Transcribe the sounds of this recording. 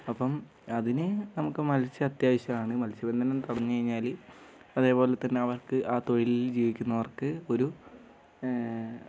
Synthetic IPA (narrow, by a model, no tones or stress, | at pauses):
ɐpːɐm | ɐðinɨnɐmukːɨmɐlɕɨɐt̪jaːʋɐɕjɐmaːɳɨmɐlsibe̞nd̪ʱɐnɐmt̪ɐɽɐɲːɨkɐɻiɲːaːl | ɐðe̞ːpo̞ːlet̪ːɐnːe̞ɐʋɐrkɨʔaːt̪o̞ɻilid͡ʑiːʋikʲːunːɐʋɐrkɨo̞ɾu